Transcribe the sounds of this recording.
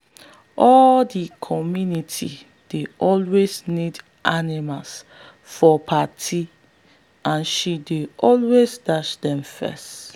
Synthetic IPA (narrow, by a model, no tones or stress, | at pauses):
ʔɔldikʰɔmjunitʰḭ | d̥eʔɔlweznid | ʔanimals | fɔpʰatʰi | ãnʃideʔɔlwezdaʃdɛ̃mfɛ̰st